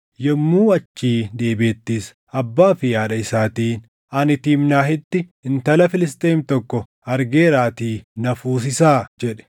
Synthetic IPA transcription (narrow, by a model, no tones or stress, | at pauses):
jɛmːuːɐt͡ʃːiːd̪e̞ːbeːt̪ːiːs | ɐbːaːfɪjaːᶑɐɪsaːt̪iːn | ɐnɪt̪iːmnaːhɪt̪ːɪɪnt̪ɐlɐfɪlɪs̬t̪eːmt̪ɔkːɔ | ɐɾɡe̞ːɾaːt̪iːnɐfuːsɪsaːd͡ʒɛᶑɛ̥